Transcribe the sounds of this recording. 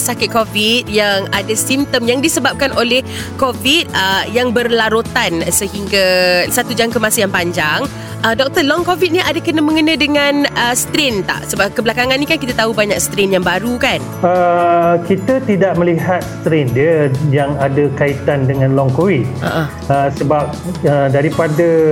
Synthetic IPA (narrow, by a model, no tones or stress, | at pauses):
sakɪt̪̚kovit̪̚jaŋadasimt̪əmjaŋdisəbap̚kanʔolɛh | kovit̪̚əjaŋbərlaɾot̪ansəhiŋɡasat̪ud͡ʒaŋkəmasəjaŋpaɲd͡ʒaŋ | ʔədɔk̚t̪əlɔŋkovit̪̚niʔadakənəmə̃ŋənə̃dəŋanəst̪ɾɪnt̪a̰ʔsəbap̚kəbəlakaŋanːikankit̪at̪aubaɲak̚st̪ɾɪnjaŋbaɾukan | əkit̪ət̪idaʔ̚məliɦat̪̚st̪ɾɪndiəjaŋadəkait̪andəŋãnlɔŋkovit̪̚ʔa̰ʔa | əsəbap̚ədaɾipadə